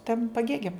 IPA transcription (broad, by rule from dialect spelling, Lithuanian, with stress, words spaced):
tɐm pɐˈɡʲeːɡʲɛm